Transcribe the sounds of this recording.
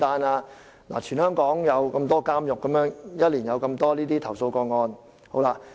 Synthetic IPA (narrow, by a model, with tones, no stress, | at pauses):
t̪aː˧naː˧ | la̰˨˩t͡ʃʰyː˨˩nhœː˥ŋkɔː˨˥ŋjɐ˨˧wkɐ˧mt̪ɔː˥kaː˥mjʊ˨kːɐ˨˥mjœː˨˥ŋjɐ˥t̚liː˨˩njɐ˨˧wkɐ˧mt̪ɔː˥liː˥t̪iː˥t̪ʰɐ˨˩wso˧wkɔː˧ŋɔː˧n | ho˨˥wlaː˧